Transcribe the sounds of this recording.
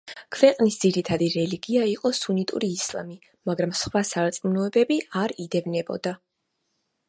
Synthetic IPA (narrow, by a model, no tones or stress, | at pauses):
kʰvɛqʼnisd̪ziɾit̪ʰad̪iɾɛliɡiaiqʼɔsunit̪ʼṵɾiːslˠa̰mi | maɡɾamsχwasaɾt̪sʼmunɔɛbɛbiaɾid̪ɛvnɛbɔ̰d̪a